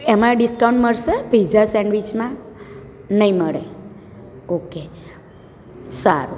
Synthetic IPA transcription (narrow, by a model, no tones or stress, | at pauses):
emãɖiskauɳʈməɭʃebʱid͡ʒasɛɳɖʋit͡ʃmã | nəɦĩməɭe | oke | saɾu